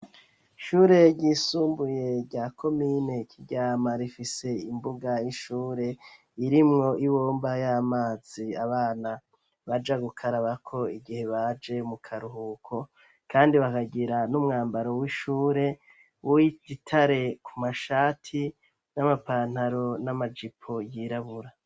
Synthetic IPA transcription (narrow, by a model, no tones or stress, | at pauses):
ʃuːɾe̞ɟiːsuːmbuje̞ɾɟaːkʰo̞miːne̞kʰiɟaːmaɾifise̞imbuɡajiʃuːɾe̞ | iɾimŋo̞ʔiβoːmbajamaːz̥iaβaːna | βad͡ʒaɡukʰaɾaβakʰo̞iɡihe̞βad͡ʒe̞mukʰaɾuhuːkʰo̞ | kaːndiβakaɡiɾanumŋaːmbaɾo̞wiʃuːɾe̞ | wititʰaɾe̞kʰumaʃaːtʰi | namapaːn̥haɾo̞namad͡ʒipʰo̞jiɾaβuɾa